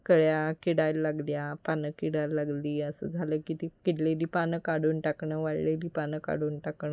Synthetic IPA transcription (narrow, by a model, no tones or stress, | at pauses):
kəɭjakiɽajlːaɡljapanəkiɽajlːaɡliːəsə̰ːd͡zʱaləːkit̪ikiʈled̪iːpanəkaɽuːnʈakɳəʋaɭled̪iːpanəka̰ɽuːnʈakɳə